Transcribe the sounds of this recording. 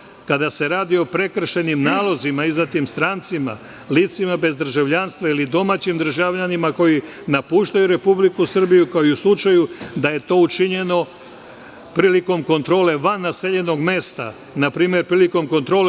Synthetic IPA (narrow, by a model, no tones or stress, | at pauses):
kad̪ase̞ɾaːd̪io̞pɾe̞kr̩ʃe̞nimnaːlˠo̞zimaizat̪iːmst̪ɾant̪sima̰ | liːt̪simabe̞zd̪r̩ʒaʋʎanst̪ʋailid̪o̞maːt͡ɕimd̪r̩ʒaʋʎanimako̞ji | napuːʃt̪ajuɾe̞publikusr̩bijukoiuslˠut͡ʃajud̪aje̞t̪o̞ut͡ʃiɲe̞no̞ | pɾiːliko̞mko̞nt̪ɾo̞ːle̞ʋanːaseʎe̞no̞ɡme̞ːst̪a̰ | napɾiːmje̞ɾpɾiːliko̞mko̞nt̪ɾo̞ːl